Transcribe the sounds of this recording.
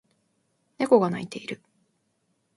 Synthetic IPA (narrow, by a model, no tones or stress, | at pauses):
ne̞ko̞ɡana̰it̪e̞iɾɯ̟